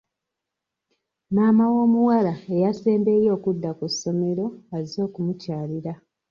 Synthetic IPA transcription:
naːmawo̞ːmuwalaejase̞ːmbe̞ːjo̞ːkudːakusːo̞me̞ɾo̞azo̞ːkumucaːliɾa

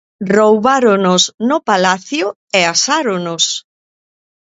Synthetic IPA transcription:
rowβaɾonosnʊpalaθjʊ | easaɾonʊs

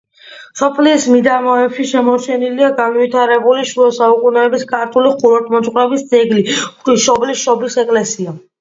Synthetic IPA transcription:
sɔpʰliːsmid̪amɔɛpʃiʃɛmɔɾt͡ʃʰɛniliaɡanvit̪ʰaɾɛbuliʃuɔsaukʼunɛːbiskʰʼaɾt̪ʰʼuliχuɾɔɾt̪ʼmɔt̪sʼqʼwɾɛbisd̪zʼɛɡliχiʃɔblisʃɔblisɛkʼlɛsia

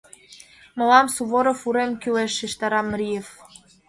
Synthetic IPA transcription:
mɤ̆lɑmsuβoɾŏfuɾemkyleʃiʃt̪ɑɾɑmɾʲijef

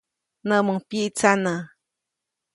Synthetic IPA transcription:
naməŋpiʔt͡sana

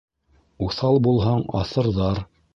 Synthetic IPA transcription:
uθɑlˠbulˠɦɑɴɑ̰θɤ̆ɾðɑɾ

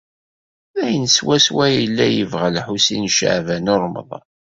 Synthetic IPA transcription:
æjənswæswæjəlːæjəvʁalħusinʃə̰ʕvænʊɾˤmə̰ðˤ

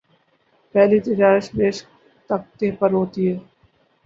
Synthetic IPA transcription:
pɛːlit̪ɪd͡ʒaːɾɪʃbeːʃ | t̪ɐk̚t̪eːpɐɾɦoːt̪iɦɛː

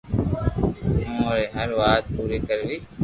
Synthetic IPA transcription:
ooɾeːɦəɾʋaːt̪̚puːɾiːkəɾɡiː

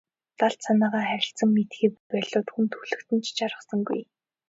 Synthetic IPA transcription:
t̪aɮt̪sanaːʁaːχæɾʲɪ̆ɬt͡sə̆ŋmet̪xiːkpæɮʊːt̪xunt̪ʰuɮɘ̆kt̪ɘ̆nt͡ɕʰt͡ɕaɾʁə̆χsə̆ŋɡṵj

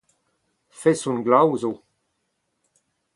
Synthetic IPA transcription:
fɛsũnɡlawzo

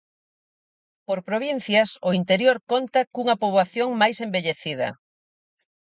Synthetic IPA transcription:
poɾpɾoβ̞in̟θjasʊint̪eɾjoɾkont̪ɐkuŋɐpoβaθjoŋmajsembeʎeθið̞ɐ̰

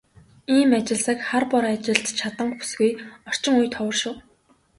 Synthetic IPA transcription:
iːmat͡ɕɪ̆ɮsə̆kχarpɔɾat͡ɕɪ̆ɮt͡ɕ̪t͡ɕʰat̪ə̆ŋkpu̥sɡujɔr̥t͡ɕɪ̆ŋujt̪ʰɔwə̆rʃʊ̆w

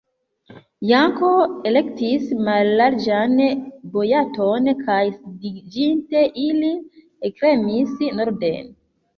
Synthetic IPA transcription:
jaŋkoele̞ktismalːaɾd͡ʒanbojatonkʰajsidid͡ʒinte̞ʔili | ekɾemisnoɾde̞̰n

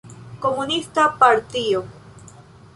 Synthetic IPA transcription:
ko̞munistapaɾt̪io

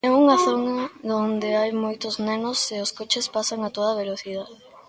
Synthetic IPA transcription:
ɛuŋaθonaðond̪eajmojt̪ʊznenoseʊskot͡ʃɪspasaŋat̪oðɐβ̞eloθiðaðe

